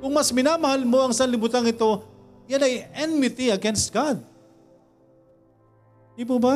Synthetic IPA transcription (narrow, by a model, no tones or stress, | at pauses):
kʊŋmɐsmɪnaːmɐhalmo̞ɐŋsɐnlɪbut̪aŋɪt̪o̞ | janɐjɛnmɪt̪iɐɡɛnst̪̚ɡ̥ad̪̚ | ip̬oba